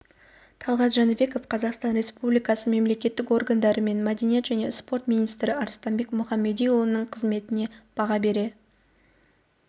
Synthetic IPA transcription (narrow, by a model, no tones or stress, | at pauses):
t̪ʰɑlˠʁɑt̪ʒɑnube̞ko̞fqʰɑzɑqst̪ɑnɾʲe̞spublijkɑsəme̞mle̞kʲe̞t̪ːɪko̞rɡand̪ɑɾəme̞nmæd̪enijet̪ʒæne̞spo̞rt̪mʲinijst̪ɾɪɑɾst̪ɑmbe̞kmʊχɑmːe̞d̪ijulˠənːəɴqʰəzme̞t̪ɪne̞b̥ɑʁɑbe̞ɾe̞